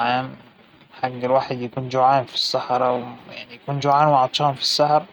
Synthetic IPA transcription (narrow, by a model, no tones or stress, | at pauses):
ʕaːm | ħaɡːɪlwaːħɪd̪jakuːnd͡ʒʊʕaːnfi̥sːaħɾˤɑwja̰ʕnijakuːnd͡ʒʊʕaːnwaʕɑt̪ˤʃɑːnfi̥sːaħɾˤ